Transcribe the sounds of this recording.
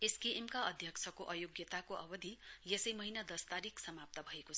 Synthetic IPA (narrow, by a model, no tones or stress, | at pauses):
eskeʔemkaʌd̪ʱjʌkt͡sʰʌkoʔʌjoɡjʌt̪akoʔʌbʌd̪ʱijesʌjmʌɦinad̪ʌst̪aɾiksʌmap̚t̪ʌbʱʌekoʌ